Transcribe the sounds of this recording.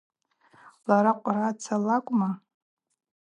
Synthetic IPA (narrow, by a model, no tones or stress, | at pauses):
laɾaqʷʼrat͡sʰalakʷʼma